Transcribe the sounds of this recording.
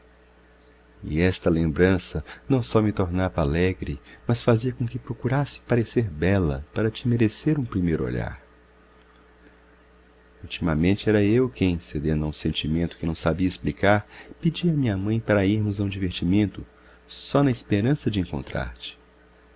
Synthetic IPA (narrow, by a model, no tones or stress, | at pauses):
ɪ̰ɛst̪ɐlẽmbɾɐ̃sɐnɐ̃w̃sɔmɪt̪oɾnavalɛɡɾɪmɐsfaziɐkõkɪpɾokuɾasɪ̥paɾeseɾbɛlɐ̰paɾɐt͡ʃɪmeɾeseɾũpɾimejɾʊo̰ʎa̰ɾ | ut͡ʃimɐmẽnt͡ʃɪɛɾɐewkẽj̃sed̪ẽnd̪ɐũsẽnt͡ʃimẽnt̪ʊkɪnɐ̃w̃sabiɐisplikaɾpid͡ʒiɐmĩɲɐmɐ̃j̃paɾɐiɾmʊzɐũd͡ʒiveɾt͡ʃimẽnt̪ʊ | sɔnɐispeɾɐ̃sɐd͡ʒɪẽŋkõnt̪ɾa̰ɾt͡ʃɪ̥